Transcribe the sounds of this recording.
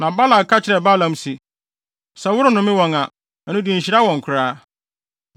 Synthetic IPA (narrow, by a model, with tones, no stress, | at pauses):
nã˨ba˦la˨kʰa˦t͡ɕʰɪ˨ɾɛ˨ba˦lã˨msi˨ | sɛ˨wʊ˦ɾʊ˦nʊ̃˨mɪ̃˦wɔ̃˨ŋã˨ | ɛ˨nʊ̃˦dĩ˨ɲ̩˨ɕi˨ɾa˦wɔ̃˨ŋ̩˨kʰʊ˨ɾaː˦